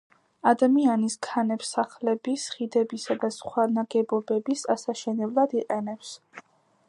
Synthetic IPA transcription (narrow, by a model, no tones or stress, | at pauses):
ad̪amianiskʰanɛpsːaχlɛbisχid̪ɛbisad̪asχwanaɡɛbɔbɛbisasaʃɛnɛblˠad̪iqʼɛnɛps